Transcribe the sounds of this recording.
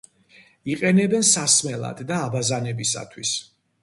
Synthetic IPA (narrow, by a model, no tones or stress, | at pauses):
iqʼɛnɛbɛnsasmɛlˠa̰d̪d̪aːbazanɛbisa̰t̪ʰwis